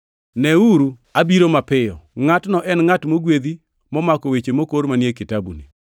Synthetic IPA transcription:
nɛuɾu | abiɾomapɪjɔŋatnɔʔɛnŋatmoɡwed̪i | mɔmakowet͡ʃemokoɾmanjekɪtabṵni

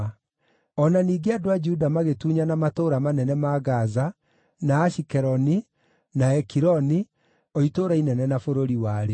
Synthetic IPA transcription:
ɔnaniːɡeadoad͡ʒuːdamaɣetuːɲanamatoːɾamanɛnɛmaɣaza | naːɕikɛɾɔni | naɛkiɾɔni | oitoːɾainɛnɛnafoɾoɾiwaːɾe

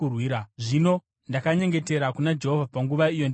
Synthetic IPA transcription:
urwiːɾaʐino̞ | ndakaɲe̞ŋɡe̞te̞ɾakunad͡ʒe̞ɦovapaŋɡuʋaijo̞nd

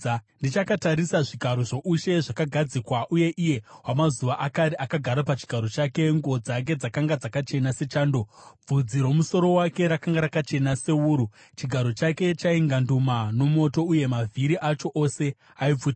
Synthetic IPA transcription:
ndit͡ʃakataɾisaʐiɡʱaɾoʐo̞ʔuʃe̞ʐakaɡʱad͡zikwaʔuje̞ʔije̞wamazuʋaʔakaɾiʔakaɡʱaɾapat͡ʃi̥ɡʱaɾo̞t͡ʃake̞ŋɡod͡zak̬e̞d͡zakaŋɡad͡zakat͡ʃe̞nase̞t͡ʃaːndo̞b͡vud͡ziɾo̞muso̞ɾo̞wake̞ɾakaŋɡaɾakat͡ʃe̞nase̞uːɾu | t͡ʃiɡʱaɾo̞t͡ʃake̞t͡ʃaiŋɡandumano̞mo̞to̞uje̞mavʱiɾiʔat͡ʃo̞ʔose̞ | aib͡vuːti

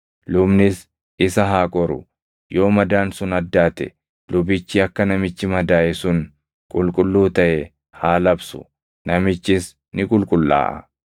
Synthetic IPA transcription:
lʊbnɪs | ɪsɐɦaːkʼɔɾʊ̰ | jo̞ːmɐd̪aːnsʊnɐd̪ːaːt̪ɛ̰ | lʊbɪt͡ʃːɪɐkːɐnɐmɪt͡ʃːɪmɐd̪aːʔɛsʊn | kʼʊlkʼʊlːuːt̪ɐʔɛ | haːlɐbsʊ̥̰ | nɐmɪt͡ʃːɪs | nɪkʼʊlkʼʊlːa̰ːʔɐ̰

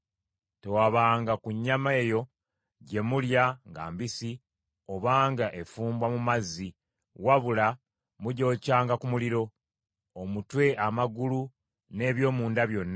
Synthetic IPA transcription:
te̞waβaːŋɡakuɲːame̞ːjo̞ | ɟe̞muljaŋɡa̰ːmbisi | o̞βaːŋɡaʔe̞fuːmbwamumazːi | waβula | muɟo̞ːcaːŋɡakumuliɾo̞ | omutwe̞ʔamaɡulu | ne̞ːβjo̞ːmuːndaβjo̞nːa

